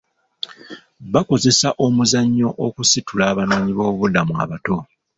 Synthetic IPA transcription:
βako̞ze̞saʔo̞muzaɲːo̞ʔokusitulaːβanoːɲiβo̞ːuβudamua̰βato̞

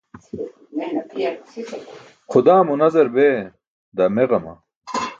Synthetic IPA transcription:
χʊd̪aːmunɐzɐɾbeː | d̪ɐmeʁɐmɐ̰

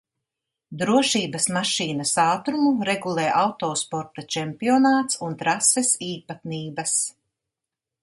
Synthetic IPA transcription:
d̪ɾuɔʃiːbɐsmaʃiːnɐsaːt̪ɾumuɾeɡulˠɛːʔawt̪ɔːspɔɾt̪at͡ʃɛmpiɔnaːt̪sunt̪ɾasɛsiːpat̪niːbɐs

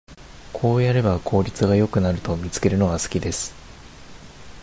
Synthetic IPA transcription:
kʰo̞ːjaɾe̞bakʰo̞ːɾʲit͡sɨɡajo̞kɯ̟naɾɯ̟t̪o̞mʲit͡sɨ̥ke̞ɾɯ̟no̞ɡasɨ̥kʲid̪e̞sɨ̥

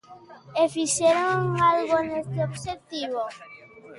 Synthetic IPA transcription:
efiʃeɾoŋalɣonest̪eobʃet̪iβo

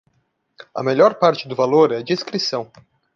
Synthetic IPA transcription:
ɐ̰meʎɔɾpaɾt͡ʃɪd̪ʊvaloɾɛɐd͡ʒiskɾisɐ̃w̃

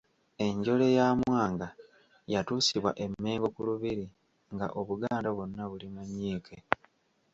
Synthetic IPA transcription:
e̞ɲɟo̞le̞jamwaːŋɡa | jatuːsiβwa̰ʔe̞mːe̞ːɡo̞kuluβiɾi | ŋɡa̰ʔo̞βuɡaːndaβonːaβulimaɲːiːkʰe̞

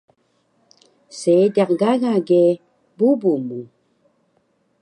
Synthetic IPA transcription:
sedaqɡaɣaɡe | bubumu

